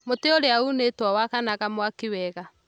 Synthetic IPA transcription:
moteoɾeaunetwawakanaɣamwakewɛɣa

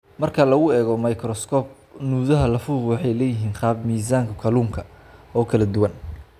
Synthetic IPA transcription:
mɐrkʰɐlɐɣʊɛːɣɔmɐjkʰrɔskʰɔːb̚ | nuːðɐɦɐlɐfuːqwɑħɑjlɛːjɪɦiːnχɑːbmiːs̬aːŋkʰɐkʰɐluːmkʰɐ | ɔːkʰɐlɐd̪ʊwɐn

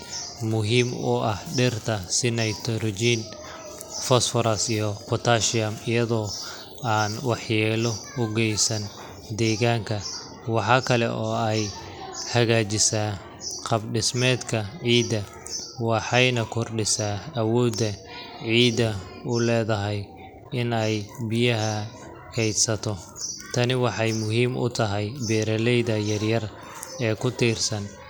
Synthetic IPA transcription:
mʊɦiːmʊ̰ʔɐhɖɪrt̪ʰɐsɪnɐjt̪ʰɔɾɔd͡ʒiːn | fɔsfɔɾɐsijɔpʰɔt̪ʰaʃɪɐmɪjɐðɔː | aːnwɑħjɛːlɔ | ʊɡɛjsɐn | d̪ɛːɣaːŋkʰɐ | wɑħɑːkʰɐlɛ̰ʔɔːɛj | hɐɣaːt͡ʃɪsaː | qɑbɖɪsmɛːd̪kʰɐʕiːd̪ɐ | wɑħɑjnɐkʰɔrɖɪsaːwɔːd̪ːɐ | ʕiːd̪ɐ | ʊlɛːðɐɦɛj | ɪnɛjbɪjɐɦɐ | kʰɛjd̪sɐt̪ʰɔ | t̪ʰɐnɪwɑħɑjmʊɦiːmʊ̰t̪ʰɐɦɛjbɛːɾɐlɛjðɐjɐrjɐr | ɛːkʰʊt̪ʰiːrsɐn

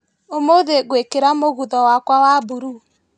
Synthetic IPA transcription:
omoðeɣwekeɾamoɣuðɔwakwawabuɾu

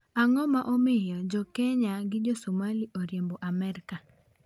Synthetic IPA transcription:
aŋɔmaʔomɪjɔd͡ʒɔkɛɲaɡɪd͡ʒosomaliʔoɾjemboʔamɛɾɪka

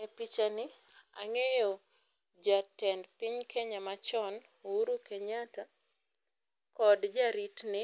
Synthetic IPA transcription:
epit͡ʃanɪ | a̰ŋejɔ | d͡ʒatɛndpɪɲkeɲamat͡ʃɔn | uɾukeɲata | kɔdd͡ʒaɾitnɪ

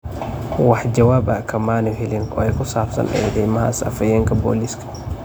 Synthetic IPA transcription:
waħd͡ʒɐwaːbɐkʰɐmaːnɪhɪlɪŋkɔ̰ɛjkʊsaːfsɐ̰nɛ̰jd̪ɛjmɐha̰ːsa̰fɐjɛːŋkɐbo̰ːliskɐ̥

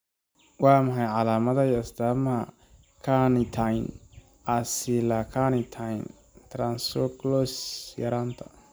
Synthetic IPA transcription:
wɑːmɐħajʕɑlaːmɐðɐjɐsd̪aːmɐɦɐ | kʰanɪt̪ʰajn | ʔasiːlakʰanit̪ʰajn | t̪ʰɾansɔklɔsjɐ̰ɾaːnt̪ʰɐ̥

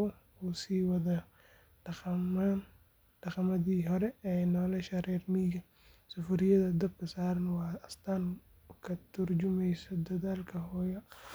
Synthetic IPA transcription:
usiːwɐðɐ | ɖ̥ɐχɐmɐðiːɦɔɾɛɛjnɔːlɐʃɐɾɛːrmiːɣɐ | sʊfʊɾɪjɐðɐd̪ɐb̚kʰɐsaːɾɐnwɑːɐst̪ʰaːn | kʰɐt̪ʰʊrd͡ʒʊmɛjsɔd̪ɐðaːlkʰɐɦɔːjɐ

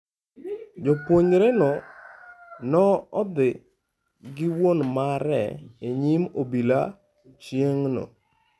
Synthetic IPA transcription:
d͡ʒɔpwoɲɾɛnɔ | nɔɔd̪ɪ | ɡɪwonmaɾɛ̰eɲimobila | t͡ʃjeŋno̰

